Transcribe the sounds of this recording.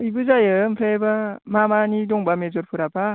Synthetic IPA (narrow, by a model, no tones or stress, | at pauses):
ɯjbɯzajɯmpʰɾebamamanidɔŋbamezɔɾpʰuɾaba